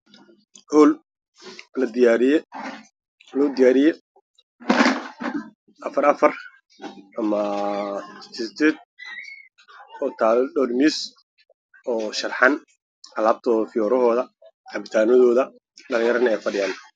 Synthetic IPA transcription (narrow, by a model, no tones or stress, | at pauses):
ʕuːl | lɐd̪ɪjaːɾɪjɛ | lɔːd̪ɪjaːɾɪjɛ | ʔɐfɐɾɐfɐr | ʔɐmɐ | sʰɪst̪ʰɛt̪̚ | ɔːt̪ʰaːlɖɔrmis | ɔːʃɐlħɑn | ʔɐlaːb̚t̪ʰɔːfɪjɔːɾɔɦɔːðɐ | ʕɑbɪt̪ʰaːnɔðɔːðɐ | ɖɐlɪ̃ŋjɐɾɐnɛjfɐɖɪjaːn